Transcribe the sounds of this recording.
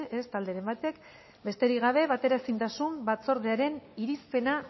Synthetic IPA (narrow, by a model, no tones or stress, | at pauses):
est̪ald̪eɾe̞mbat̪e̞k | be̞st̪e̞ɾiɣaβ̞e̞βat̪e̞ɾasint̪asumbat͡so̞ɾðeaɾe̞niɾispe̞na